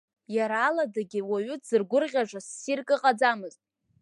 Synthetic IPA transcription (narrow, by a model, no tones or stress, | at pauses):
jaɾaːladaɡʲɪwaɥʏz̥ɨrɡʷʊrʁʲaʐʷasːirkʼɨqʼad͡zamɨztʼ